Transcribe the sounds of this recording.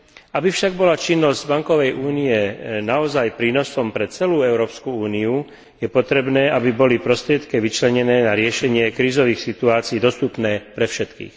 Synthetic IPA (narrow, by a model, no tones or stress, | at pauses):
abifʃaɡbɔlat͡ʃinːɔzɟbaŋkɔʋɛjʔuːniɛnaɔzajpɾiːnɔsɔmpɾɛt͡sɛluːɛʊɾɔːpskuuːniu | jɛpɔt̪ɾɛbnɛːʔabibɔlipɾɔst̪ɾɪɛt̪kɛʋit͡ʃlɛɲɛnɛːnaɾɪɛʃɛɲɪɛkɾiːzɔʋiːxsit̪uaːt͡siːd̪ɔst̪upnɛːpɾɛfʃɛt̪kḭːx